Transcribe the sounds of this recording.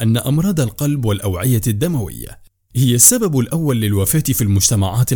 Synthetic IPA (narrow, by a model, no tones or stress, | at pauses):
ʔanːaʔɑmɾˤɑːd̪ˤalqɑlbwalʔawʕɪjad̪ːamawɪ̰jːa̰ | hɪjasːababalʔawːalːɪlwafaːt̪ɪfiːlmʊd͡ʒt̪amaʕaːt̪